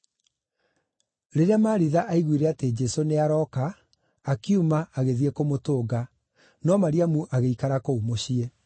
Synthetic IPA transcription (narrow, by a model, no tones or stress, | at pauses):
ɾeɾeamaːɾiðaʔaiɣwiɾɛated͡ʑɛsoneaɾɔkaː | kiumaːɣeðiɛkomotoːɡa | nɔmaɾiamuʔaɣeikaɾakoumoɕiɛ